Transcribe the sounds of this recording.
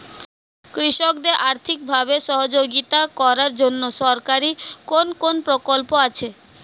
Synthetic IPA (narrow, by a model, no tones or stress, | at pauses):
kɾiʃok̚d̪eɾʔaɾt̪ʰik̚bʱabeʃɔɦod͡ʑoɡit̪akɔɾaɾd͡ʑonːoʃɔɾkaɾikonkonpɾokolpoat͡ɕʰe